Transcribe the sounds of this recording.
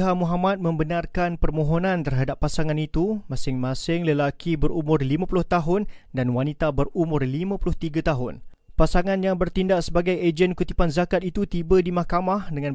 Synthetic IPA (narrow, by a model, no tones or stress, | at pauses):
ɦamuɦamat̪̚mə̃mbənarkanpərmõɦonãnt̪ərɦadapːasaŋãnit̪umãsɪŋmãsɪŋləlakʰibəɾumʊrlimãpulʊht̪aɦʊndanwanit̪abərumʊrlimãpulʊht̪iɡət̪aɦʊn | pasaŋãnjaŋbərt̪indaʔsəbaɡajed͡ʒənkut̪ipanzakat̪̚it̪ut̪ibədimahkamahdəŋãn